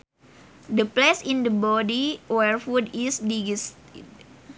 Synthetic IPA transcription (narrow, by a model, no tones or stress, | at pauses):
dəplesĩndəbɔdiwɛrfudisdiɡist̪id̚